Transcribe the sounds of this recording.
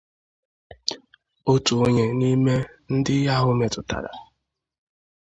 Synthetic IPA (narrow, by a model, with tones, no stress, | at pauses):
o˦tu˨o˦ɲe˨ni˦me˦n̩˦dɪ˦ja˦ɦʊ˦me˨tʊ˨ta̰˨ɾa̰˨